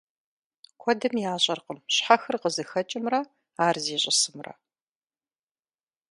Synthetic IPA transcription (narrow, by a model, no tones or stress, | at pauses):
kʷʰɔdɨmjaːɕʼɐrqəmɕħaxɨrqəzɨxɐt͡ʃʼɪmrɐ | aːrziːɕʼɪsɨmrɐ̰